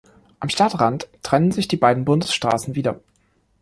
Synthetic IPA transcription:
ʔamʃtatʁanttːʁ̥ɛnənzɪçd̥iːbaɪdn̩bʊndəsʃtʁ̥a̰ːsn̩viːdɐ

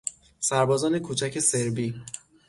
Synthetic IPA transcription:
sæɾbɒːzɒːne̞kʰuːt͡ʃʰæcʰe̞seɾbi

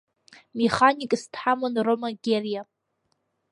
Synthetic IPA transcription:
meχanikʼstʰħamanromaɡʲerija

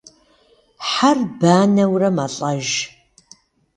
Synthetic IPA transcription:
ħarbaːnɐwrɐmɐɬʼɐʒ

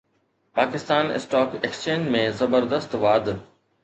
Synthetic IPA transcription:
paːkɪst̪aːnɪ̰sʈɔːkekst͡ɕẽːd͡ʑmẽzɐbəɾd̪əst̪ʋaːd̪

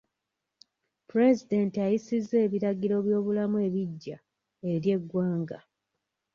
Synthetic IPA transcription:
puɾe̞zide̞ntiajisizːe̞ːβiɾaɡiɾo̞βjo̞ːβulamue̞ːβiɟːa | e̞ɾje̞ɡwaːŋɡa

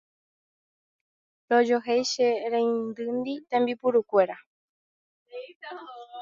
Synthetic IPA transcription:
ɾod͡ʒoɦejʃeɾẽjnd̪ɨnd̪it̪ẽmbipuɾukʷe̞ɾa

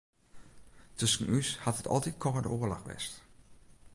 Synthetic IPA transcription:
tʰɵsən̩yshathətʰɔ̰lˠtit̚kʰɔːədəoːərla̰xʋɛ̰st

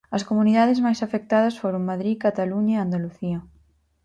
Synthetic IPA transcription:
ɐskomuniðaðɪzmajsafek̚t̪aðɐsfoɾoŋmaðɾikat̪aluɲaeand̪aluθiɐ

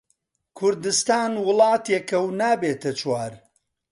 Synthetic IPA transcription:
kʰʊɾd̪ɨst̪aːnwʊlˠɑːt̪jekɐwnaːbeːt̪ʰɐt͡ʃwaːɾ

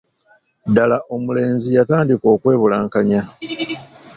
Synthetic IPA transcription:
dalaʔo̞mule̞ːɲzijataːndiko̞ːkwe̞ːβulaːŋkaɲa

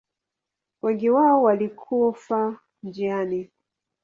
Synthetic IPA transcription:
wɛŋɡiwaɔwalikʰufa | nd͡ʒiani

